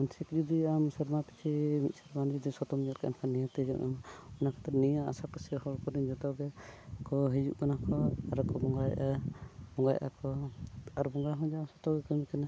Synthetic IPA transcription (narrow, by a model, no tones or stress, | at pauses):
ɔnsʰikd͡ʒud̪iamsɛɾmapi̥t͡ʃʰimit̪̚sɛɾmand͡ʒud̪isɔt̪ɔmd͡ʒɔt̪̚kɛɛ̰nkʰanijat̪əd͡ʒɔ̰ʔʔɛ̰maɔnakʰat̪ɾɛnijaa̰sapəsɛhɔlkɔɾiɲd͡ʒɔt̪ɔɡɛkɔɦid͡ʒṵʔkanakɔaɾakɔbɔŋɡajʔabɔŋɡajʔa̰kɔaɾbɔŋɡaɦɔ̃d͡ʒaamsɔ̥t̪ɔɡɛkɔmikɛna